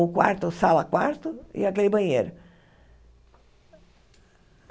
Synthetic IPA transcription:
ʊkwa̰ɾt̪ʊsalɐkwaɾt̪ʊḭakelɪbɐ̃ɲḛjɾʊ

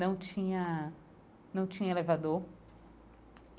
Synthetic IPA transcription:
ɐ̃w̃t͡ʃĩɲɐ | nɐ̃w̃t͡ʃĩɲɐelevad̪oɾ

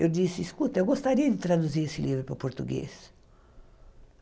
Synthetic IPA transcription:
ewd͡ʒ̪isiiskut̪ewɡost̪aɾiɐd̪it̪ɾad̪uziɾesilivɾupɾapoɾt̪uɡḛs

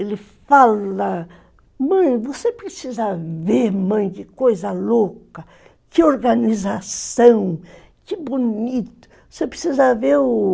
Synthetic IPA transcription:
elɪfalɐ | mɐ̃j̃vosepɾesizɐveɾmɐ̃j̃d͡ʒɪkojzɐlokɐ | kɪoɾɡɐnizasɐ̃w̃ | kɪbunit̪ʊ̥vosepɾesizɐveɾʊ

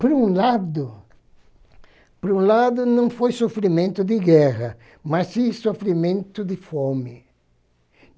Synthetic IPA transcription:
pɾũlad̪ʊ | pɾũlad̪ʊnɐ̃w̃fojsofɾimẽnt̪ʊd̪ɪɡɛʁɐ | masisofɾimẽnt̪ʊd̪ɪfomɪ

